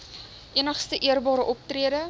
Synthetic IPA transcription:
ʔiənəχstəʔiərbɑːɾəʔɔp̚triəɾə

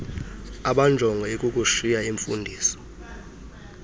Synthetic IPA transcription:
aɓand͡ʒʱɔŋɡʱɔekʼukʼuʃijaiɱfundʱiːsɔ̥

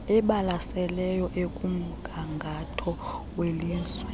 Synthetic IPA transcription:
ɛɓalasɛlɛjɔʔekʼum̩ɡ̥ʱaŋɡʱatʰɔ | welinswɛ

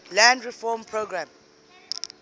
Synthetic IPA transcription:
lãndɹifɔmpʰɹoɡɹãm

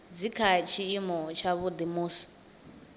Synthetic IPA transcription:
d͡zikʰat͡ʃʰiːmɔt͡ʃʰaβud̪imuːsi̥

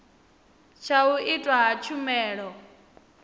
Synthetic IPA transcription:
t͡ʃʰauʔitʼwaɦat͡ʃʰumɛːɺɔ

